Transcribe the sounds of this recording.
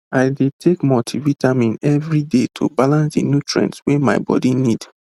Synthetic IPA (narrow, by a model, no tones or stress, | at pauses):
aɪdetʰekmɔtʰivitamĩnɛvɹidetʰo̰balãnsdḭnjutʰɹɛ̰̃ntswema̰ɪbɔ̰dinid